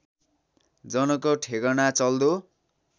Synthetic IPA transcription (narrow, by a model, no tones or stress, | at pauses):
d͡zʌnʌkoʈʰeɡʌnat͡sʌld̪o